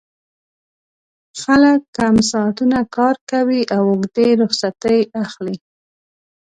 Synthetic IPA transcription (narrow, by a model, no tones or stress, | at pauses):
xaləkːamsɑt̪unakɑɾkawiʔawʊɡd̪eɾʊxsat̪əjaxli